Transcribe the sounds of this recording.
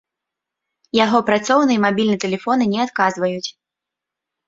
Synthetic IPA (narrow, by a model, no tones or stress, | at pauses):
jaɣɔpɾat̪sɔwnɨjɛmabʲilʲnɨɛt̪ɛlʲɛfɔnɨnʲɛat̪kazvɐjut͡sʲ